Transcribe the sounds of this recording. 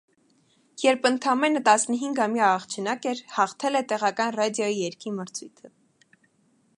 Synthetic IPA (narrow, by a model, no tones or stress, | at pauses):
jɛɾpʰənt̪ʰɑmɛnət̪ɑsnəɦiŋɡhɑmjɑːχt͡ʃʰɛnɑkɛɾhɑχt̪ʰɛlɛt̪ɛʁɑkɑnrɑd̪jɔijɛɾkiməɾt͡sʰujt̪ʰə